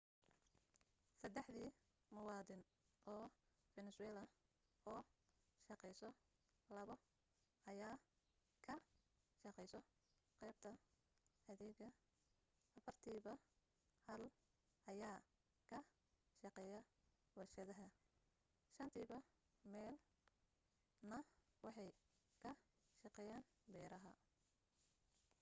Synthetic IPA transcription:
sɐd̪ɛħðiː | mɐwɑːdɪn | ʔɔː | fɛnɛsʊɛːlɐ | ɔːʃɑqɛjsɔ | lɐβɐ | ɐjaː | kʰɐ | ʃɑqɛjsɔ | qɛjb̚t̪ʰɐ | ħɐðɛːɣɐ | ʔɐfɐrt̪ʰiːβɐ | hɐl | ʔɐjaː | kʰɐ | ʃɑqɛːjɐ | wɐrʃɐðɐɦɐ | ʃɐnt̪ʰiːβɐ | mɛːl | nɐwɑħɑj | kʰɐ | ʃɑqɛːjaːn | bɛːɾɐɦɐ

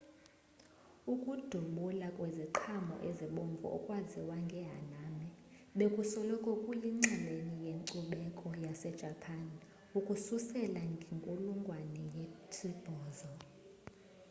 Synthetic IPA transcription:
ukʼud̥ʱuɓulakʼwɛziǃʰamɔ̰ʔeziɓoɱvṵʔɔ̰kʼwaziwaŋɡʱɛɦa̰namɛ | ɓekʼusɔlɔkʼɔkʼujiŋ͡ǀɛlenijeŋǀuɓɛkʼɔjasɛd̥ʒ̥ʱapʰan | ukʼususɛlaŋɡʱiŋkʼuluŋɡʱwanɛjetʰib̥ʱɔːzɔ

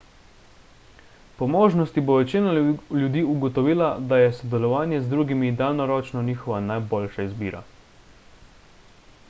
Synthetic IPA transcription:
pɔmoːʒnɔst̪iboʋɛt͡ʃiːnaljud̪iːuɡɔt̪ɔʋiːlad̪ajɛsɔd̪ɛlɔʋaːnjɛzd̪ɾuːɡimid̪alnɔɾɔːt͡ʃnɔniːxɔʋanajboːlʃaizbḭːɾa̰

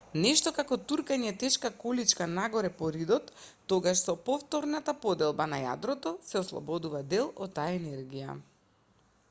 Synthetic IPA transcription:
nɛʃt̪ɔkakɔt̪uɾkaɲɛt̪ɛʃkakɔlit͡ʃkanaɡɔɾɛpɔɾid̪ɔt̪ː | ɔɡaʃsɔpɔft̪ɔɾnat̪apɔd̪ɛlˠbanaja̰d̪ɾɔt̪ɔsɛɔslˠɔ̰bɔd̪uvad̪ɛlˠɔt̪̚ːajaɛnɛɾɡija̰

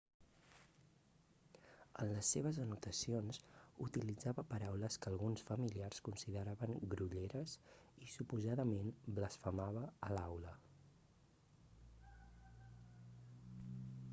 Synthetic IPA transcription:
ə̰nləsːeβ̞əzənut̪əsionsut̪ilid͡zaβəpəɾawləskəːlˠɣunsfəmiliarskunsiðəɾaβəŋɡɾuʎeɾəs | isupuzaðəmenbləsfəmaβəːlawlə

